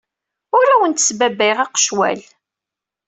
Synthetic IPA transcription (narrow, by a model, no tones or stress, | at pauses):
ʊɾæwənt̪ə̥sbæbiʁɑqə̥ʃwæ̰l